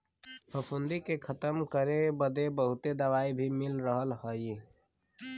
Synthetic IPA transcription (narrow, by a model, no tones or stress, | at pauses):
pəpʰund̪ikekʰət̪əmkəɾebəd̪ebəɦut̪ed̪əwaibʱimilɾəɦəlɦəj